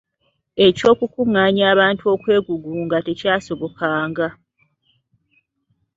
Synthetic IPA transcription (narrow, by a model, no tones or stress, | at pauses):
e̞co̞ːkukuŋːaːɲaːβaːntuo̞kwe̞ːɡuɡuŋɡate̞caːso̞βo̞kaːŋɡa